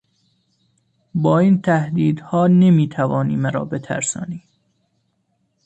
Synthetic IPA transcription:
bɒːiːnt̪ʰæhd̪iːd̪hɒːne̞miːt̪ʰævɒːniːmæɾɒ̰ːbe̞t̪ʰæ̰ɾsɒ̰ːniː

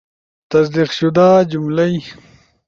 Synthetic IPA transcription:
t̪ɐsd̪iqʃud̪aːd͡ʑumlɐj

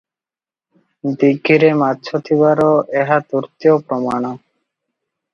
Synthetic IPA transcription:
d̪iɡʱːiɾematːʃʰot̪ʰiβaɾɔʔeɦat̪uɾt̪ijopɾɔmaɽ̃ɔ

